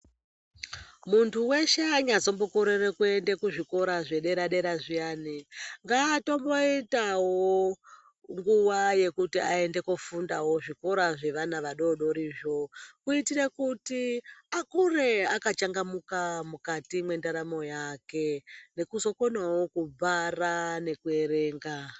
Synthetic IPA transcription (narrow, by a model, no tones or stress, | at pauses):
muntʰuwe̞ʃeaɲat͡so̞mbo̞koɾeɾekue̞ndekuʐiko̞ɾaʐe̞ɗe̞ɾaɗe̞ɾaʐiaːniŋɡaːto̞mbo̞itawo | ŋɡuʋaje̞kutiae̞nde̞kufundawo̞ʐiko̞ɾaʐe̞ʋanaʋaɗo̞ɗo̞ɾiːʐo̞kuitiɾe̞kutiakure̞akat͡ʃaŋɡamukamukatimwe̞ndaɾamo̞jake̞ne̞kuzo̞konwawo̞kub͡varane̞kue̞ɾe̞ːŋɡa